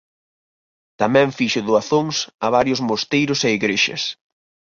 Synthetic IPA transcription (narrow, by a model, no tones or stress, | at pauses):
t̪amɛ̃ɱfiʃʊðoaθoŋsɐβ̞aɾjʊzmost̪ejɾʊseiɣɾeʃɐ̰s